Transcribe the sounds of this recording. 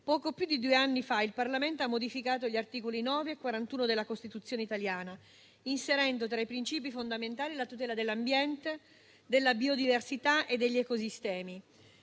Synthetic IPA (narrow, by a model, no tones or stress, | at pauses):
pɔːkopjud̪ːid̪ueanːifailparlament̪oamːod̪ifikaːt̪̬oʎiart̪iːkolinɔːveːkːwaɾant̪uːnod̪elːakost̪it̪ut̪sːjoːneit̪aljaːna | inseɾɛnd̪ot̪ɾaipɾint͡ʃiːpifond̪ament̪aːlilat̪ut̪̬ɛːlad̪elːambjɛnt̪e | d̪elːabiod̪iversit̪aʔed̪ːeʎːiɛkosist̪ɛːmi